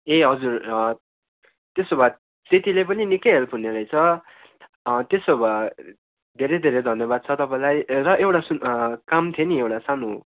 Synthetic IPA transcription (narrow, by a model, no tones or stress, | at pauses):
eɦʌd͡zur | t̪esobʱad̪ | t̪et̪ilepʌninikʌɦelpʰuneɾʌjt͡sʰʌ | t̪esoba | d̪ʱeɾʌd̪ʱeɾʌjd̪ʱʌnjʌbad̪̚t͡sʰʌt̪ʌpãj̃lajrʌʔewʈasukamt̪ʰeniewʈasano